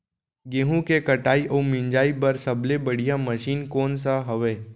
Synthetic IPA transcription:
ɡẽːɦũkekɐʈaːiʔomɪ̃ɲd͡ʒaːipɐɾsɐblebɐɽ̤ijaməʃiːnkɔːns̬aɦɐʋeː

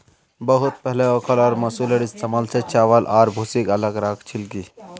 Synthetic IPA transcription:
bəɦut̪̚pəɦleɔkʰəlɔːɾmɐsuleɽist͡səmalt͡set͡ʃaʋəlʔaɾbʱusikələɡɾakʰt͡ʃʰilki

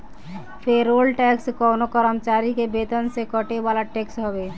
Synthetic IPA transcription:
pʰeɾolʈɛkskɔnokəɾəmt͡ʃaːɾikebet̪ənsekəʈeʋaːlaʈeksɦobe

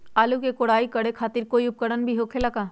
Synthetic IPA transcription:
aːlukekoːɽaːikɐɽekʰaːt̪ɪɾkoːiʊp̚kəɽənbʱiɦoːkʰelɐkaː

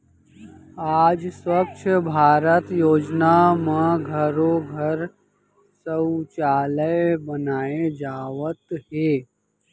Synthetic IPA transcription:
aːd͡ʒswəkt͡ʃʰəbʱaːɾət̪joːd͡ʒnamãɡʱəɾoɡʱəɾ | sət͡ʃaːləjbənaːed͡ʒaːʋət̪ɦeː

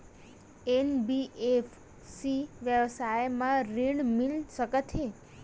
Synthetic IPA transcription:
enbiʔefʰ | siʋjəʋsajmãɾiɳmilʃəkət̪ʰe

